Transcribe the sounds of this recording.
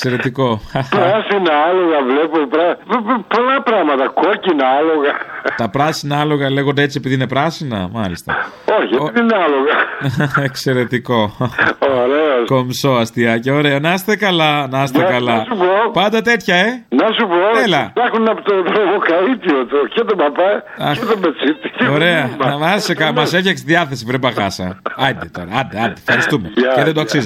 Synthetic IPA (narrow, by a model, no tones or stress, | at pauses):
kse̞ɾe̞t̪iko̞pɾɐsinɐɐlo̞ɣɐvlepopɾɐpolɐpɾɐmɐt̪ɐkocinɐɐloɣɐt̪ɐpɾɐsinɐɐlo̞ɣɐle̞ɣond̪eet͡siepiðine̞pɾɐsinɐ̰mɐlist̪ɐ̰ | oçiepiðineɐloɣɐekse̞ɾe̞t̪iko̞oɾeosko̞mso̞ɐst̪iɐceoɾe̞onɐst̪ekɐlɐnɐst̪ekɐlɐsupopɐnd̪ɐt̪e̞t̪çɐenɐsupot̪elɐɐxunɐpot̪ot̪ɾovokɐit̪iot̪ucet̪obɐpɐɐet̪omet͡sit̪i̥ceoɾe̞ɐmɐsekɐmɐsefçɐksiðiɐθe̞sipɾebɐɣɐsɐɐd̪it̪o̞ɾɐɐnd̪eɐnd̪ifxɐɾistt̪umeeðend̪oɐksizo